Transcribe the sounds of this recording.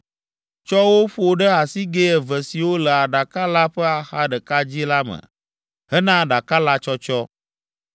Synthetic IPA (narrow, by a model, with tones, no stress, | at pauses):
t͡ʃɔ˦wo˦ɸo˦ɖə˦a˨si˦ɡe˦ɛ˨və˨si˨wo˦lə˨a˨ɖa˨ka˦la˦ɸɛ˦a˨xa˦ɖə˨ka˦d͡ʑi˦la˦mə̰̃˨ | ɦɛ˦nã˦ɖa˨ka˦la˦t͡ʃɔ˦t͡ʃɔ˦